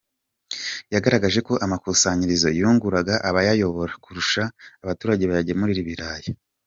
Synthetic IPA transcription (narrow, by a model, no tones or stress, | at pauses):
jaɡaɾaɡaʒe̞ko̞ʔamakusaːɲiɾizo̞̰juːŋɡuɾaɡaʔaβajajo̞βo̞ɾakuɾuʃaːβatuːɾaɟe̞βajaɟemuɾiɾiβiɾaːje